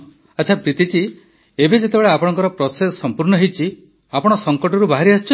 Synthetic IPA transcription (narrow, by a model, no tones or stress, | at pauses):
atːt͡ʃʰapɾit̪it͡ʃi | ebed͡ʒet̪ebeɭeapɔɽ̃ɔŋkɔɾɔpɾɔsesɔsɔmpuɾɳɔɦejt͡ʃʰi | apɔɽ̃ɔsɔŋkɔʈɔɾubaɦiɾiast͡ʃʰɔ